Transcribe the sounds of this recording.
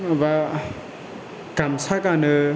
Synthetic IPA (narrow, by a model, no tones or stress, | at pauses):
ba | kamsakanɯ